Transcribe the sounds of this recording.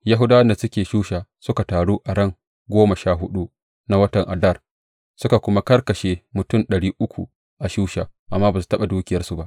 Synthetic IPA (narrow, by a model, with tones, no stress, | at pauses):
ja˦ɦʊ˦daː˦wɐ˦nda˨sʊ˦kʲeː˨ʃuː˦ʃaː˨sʊ˦ka˨taː˨ɽuː˦ʔa˨ɽɐ˦˨ŋ | ɡʷoː˦mɐ˨ʃaː˦ɦʊ˦ɗu˦ | na˦wɐ˦tɐ˨ŋʔa˨dɐ˦˨r | sʊ˦ka˨kʷʊ˦ma˦kɐ˦rkɐ˨ʃeː˦mʊ˨tʊ˦˨nɗɐ˨ɽiː˦ʔʊ˦kʷṵ˨ | ʔa˨ʃuː˦ʃa̰ː˨ʔa˨mːaː˦baː˨su˨tɐ˦ɓa˨duː˦kʲɪ˦jɐ˦rsu˨ba˦ʔ